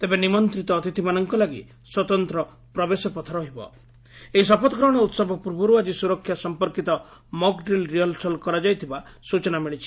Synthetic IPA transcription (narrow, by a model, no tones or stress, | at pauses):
t̪ebenimɔnt̪ɾit̪ɔːt̪it̪ʰimanɔŋkɔlaɡḭ | swɔt̪ɔnt̪ɾɔ | pɾɔbesɔpɔt̪ʰɔɾɔɦibɔ̰ | eɦisɔpɔt̪ɔɡɾɔɔɽ̃ɔut̪sɔbɔpuɾbuɾuad͡ʒisuɾɔkʰːjasɔmpɔɾkit̪ɔ | mɔkɖɾilɾijɔlsɔlkɔɾad͡ʒajt̪ʰibasut͡ʃɔnamiɭit͡ʃʰi̥